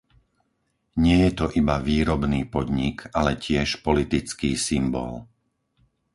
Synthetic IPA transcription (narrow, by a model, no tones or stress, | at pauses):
ɲɪɛjɛt̪ɔʔibaʋiːɾɔbniːpɔd̪ɲikalɛcɪɛʃpɔlit̪it͡skiːsimbɔ̰l